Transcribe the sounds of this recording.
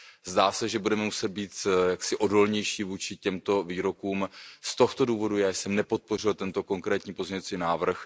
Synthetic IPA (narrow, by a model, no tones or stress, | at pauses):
zdaːsɛʒɛbudɛmɛmusɛt̪̚biːt̪jaksɪʔo̞do̞lɲɛjʃiːvuːt͡ʃɪcɛmt̪o̞viːɾo̞kuːmst̪o̞xt̪oduːvo̞dujaːjsɛmnɛpo̞t̪̚po̞r̝ɪlt̪ɛnt̪o̞ko̞ŋkɾɛːt̪ɲiːpozɲɛvat͡siːnaːvr̩x